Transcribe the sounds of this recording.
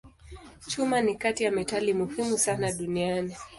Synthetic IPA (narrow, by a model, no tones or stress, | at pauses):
t͡ʃumanikatijamɛtalimuhimusanaɗuniani